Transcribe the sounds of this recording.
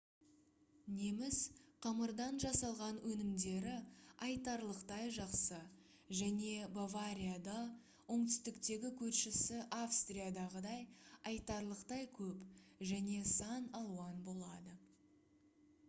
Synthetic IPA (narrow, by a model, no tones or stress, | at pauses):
ne̞mɪzqʰɑməɾd̪ɑnʒɑsɑlˠʁɑnwɵnɪmd̪e̞ɾɪɑjt̪ɑɾlˠəqt̪ɑjʒɑqsə | ʒæne̞bavaɾʲijad̪ɑ | wo̞ɴt̪ʏ̥st̪ɪkt̪e̞ɡʲɪkʲʰɵɾʃɪsɪʔafst̪rijad̪ɑʁəd̪ɑjɑjt̪ɑɾlˠəqt̪ɑjkʲʰɵpʒæne̞sɑnɑlˠuwɑnbo̞lˠɑd̪ə